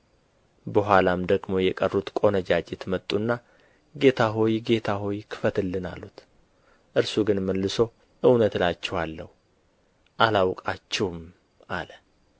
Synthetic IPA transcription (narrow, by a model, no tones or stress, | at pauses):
bəɦʷalamd̪əɡmo̞jɛkʼərːut̪kʼo̞nəd͡ʒad͡ʒɛt̪ʰmət̪ʼːunːa | ɡe̞t̪ʰaɦo̞jɡe̞t̪ʰaɦo̞jkʰɨ̥fət̪ɨlːɨna̰lːut̪ | ʔɨɾsuɡɨnməlːɨso̞ | ʔɨwnət̪lat͡ʃːɛwalːə̰hu | ʔalawkʼat͡ʃːɛwm | alə